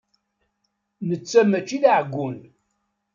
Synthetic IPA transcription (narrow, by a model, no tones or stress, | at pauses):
nət͡sːæmæt͡ʃːiðʕɡʷːun